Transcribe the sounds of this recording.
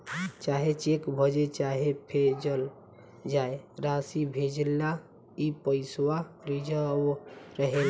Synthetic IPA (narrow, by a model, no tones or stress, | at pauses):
t͡ʃaɦet͡ʃekbʱəd͡ʒet͡ʃaɦepʰed͡ʒəl | d͡ʒajɾasibʱed͡ʒlːa | ipəɪswaɾid͡ʒə | ɾəɦel